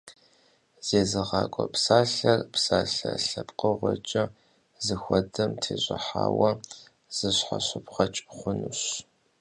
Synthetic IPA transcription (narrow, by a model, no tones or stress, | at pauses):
z̥eːzɨʁɑːkʷʼɔpsaːɬɐrpsaːɬɐɬɐpʼqəʁʷɔt͡ʃʼɐ | zɨxʷɔdɐmtʰeːʑʷʼɐħaːwɐ | z̥ɨɕħaɕɨpχɐt͡ʃʼχʷʊnuɕ